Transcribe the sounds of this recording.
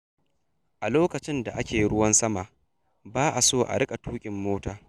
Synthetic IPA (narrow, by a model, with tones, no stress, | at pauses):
ʔa˨loː˦kɐ˨t͡ʃɪ˦nda̰˨ʔa˦kʲeː˨ji˦ɽʊ˦wɐ˦nsɐ˦ma˨ʔ | baː˦ʔa˨soː˦˨ʔa̰˨ɽɪ˦kʼa˨tuː˦kʲʼɪ˨mːoː˦taː˦